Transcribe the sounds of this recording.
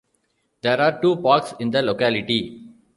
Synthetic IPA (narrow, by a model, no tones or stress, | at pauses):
d̪eːɾaːɾʈuːpaːksɪ̃nd̪əloːkæːlɪʈi